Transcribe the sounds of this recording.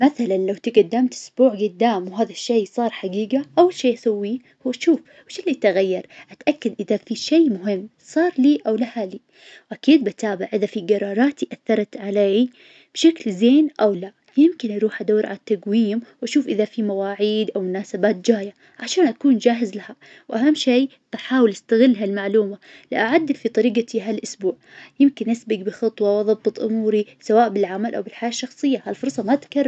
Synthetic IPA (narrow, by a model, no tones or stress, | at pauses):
maθalanlawt̪ɪɡad̪ːamt̪ʔʊ̥sbuːʕɡʊd̪ːaːmwɦaːðaʃːejːsˤɑːɾˤħaɡiːɡaʔawːalʃeːʔasawːi | hʊːʃuːf | wɪʃɪlːit̪aɣajːɑɾˤʔat̪ʔakːad̪ʔɪðafiʃejmʊɦɪmː | sˤɑːɾˤliːʔawlahaliː | wʔakiːd̪̚bɪt̪aːbɪʕʔɪðafiɡɑɾˤɑːɾˤɑːt̪iʔaθːɑɾˤɑt̪ʕaleː | b̥ʃaklzeːnʔawla | jɪmkɪnʔɑɾˤuːħʔad̪awːɾʕa̰lat̪ːaɡwiːmwʔaʃuːfʔɪðafimawaːʕiːd̪ʔawmʊnaːsabaːt̪̚d͡ʒaːja | ʕaʃaːnʔakuːnd͡ʒaːɦɪzlaha | wʔaɦamːʃiː | baħaːwɪlʔast̪aɣɪlːɦalmaʕluːma | lɪ̰ʔaʕad̪ːɪlfit̪ˤɑɾiːɡat̪iɦalʔʊsbuːʕjɪmkɪnʔasbɪɡbɪxɑt̪ˤwɑwʔɑðˤɑbbɨt̪ˤʔʊ̰muːɾisawaːʔbɪlʕamalʔawbɪlħajaːʃːɑxsˤɨjːahalfʊɾˤsˤɑmaʔt̪ḁkarː